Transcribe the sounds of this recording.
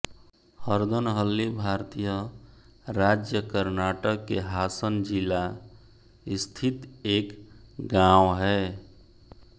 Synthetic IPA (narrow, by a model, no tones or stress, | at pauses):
həɾd̪ənɦəlːibʱaɾt̪ijə | ɾad͡ʒjəkəɾnaːʈəkːeɦaːsənd͡ʒila | ɪst̪ʰit̪eːkɡãwɦɛː